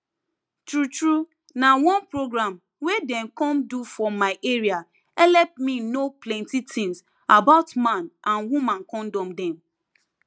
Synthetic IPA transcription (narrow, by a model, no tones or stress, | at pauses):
tɹutɹu | nawɔ̃npɹoɡɹãm | wedɛ̃mkɔ̃mdufɔmaɪʔeɹia | ɛlɛp̚minoplɛ̃ntitɪ̃ŋs | abaʊtmãnʔãnwumãnkɔ̃ndɔ̃mdɛ̃m